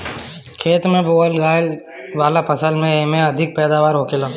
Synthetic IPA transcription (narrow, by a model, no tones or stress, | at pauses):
kʰeːt̪mẽboːəlɡaːjl | ʋaːlapʰɐsəlmẽemẽɐd̪ʱɪk̚pɛːd̪aːʋaːɾɦoːkelaː